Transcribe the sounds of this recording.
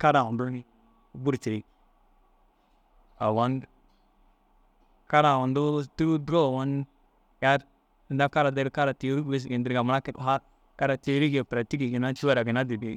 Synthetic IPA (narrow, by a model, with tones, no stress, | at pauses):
ka˦ɾa˨wa˨du˦ni˦ | bu˦ɾt͡ʃi˨ɾi˨ | a˨wa˦n | ka˦ɾa˨wa˨ndu˦tu˦dɾo˦˨wa˦n | ja˦ɾ | i˨nda˦ka˦ɾa˨de˦ɾka˦ɾa˨ti˨˦ɾu˦we˦s̬ɡi˨ndi˨ɾɡa˨ma˨la˦ki˨tɦa˦ | ka˦ɾa˨ti˨˦ɾi˦ɡe˨pɾa˨ti˦ki˨ɡi˨na˦t͡ʃu˦a˦ɾa˨ɡi˨na˦di˨bi˨